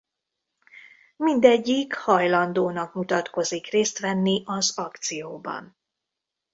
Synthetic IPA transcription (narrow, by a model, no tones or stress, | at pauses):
mind̪ɛɟːikhɒjlɒnd̪oːnɒkmut̪ɒt̪ko̞zikreːst̪ʋɛnːiʔɒzɒkt̪sijoːbɒ̰n